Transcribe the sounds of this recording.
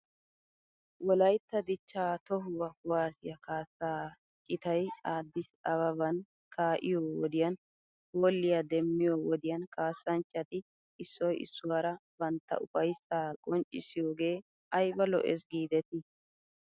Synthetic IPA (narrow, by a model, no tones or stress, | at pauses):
wɔlɐjt̪ːɐd̪ɪt͡ʃːaːt̪ɔɦʊwɐʊwaːsɪjɐkaːsːaː | t͡ʃʼːɪt̪ɐjaːd̪ːɪsɐβɐbɐn | kʰaːʔɪ̰joːwɔd̪ɪjɐn | hoːlːɪjad̪ɛmːɪjowɔd̪ɪjɐnkaːsːɐnt͡ʃʼːɐt̪ɪ | ɪsːɔjɪ̰sːʊwaɾɐbɐnt̪ːɐ̰ʔʊ̰fɐjsaːkʼɔnt͡ʃʼɪ̰sɪjoːɡe̞ː | ɐjbɐlɔ̰ʔɛ̰s̬ɡiːd̪ɛt̪ɪ